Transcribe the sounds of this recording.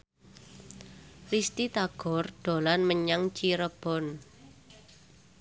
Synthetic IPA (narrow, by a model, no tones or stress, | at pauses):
rist̪it̪aɡ̥ɔ̤rɖ̪̥o̤lanməɲaŋt͡ʃiɾəb̥ɔ̤n